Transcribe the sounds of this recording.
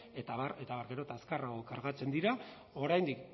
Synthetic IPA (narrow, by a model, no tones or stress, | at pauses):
et̪aβaɾe̞t̪aβaɾɡe̞ɾo̞t̪askaraokaɾɣat͡se̞nd̪iɾa | o̞ɾajnd̪ik